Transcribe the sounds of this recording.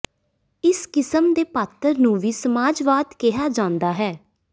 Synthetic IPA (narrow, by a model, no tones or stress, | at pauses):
ɪskɪsəmd̪eːpaːt̪əɾnũːʋiːsəmaːd͡ʒʋaːd̪kɪɦaːd͡ʒãːnd̪aːɦɛː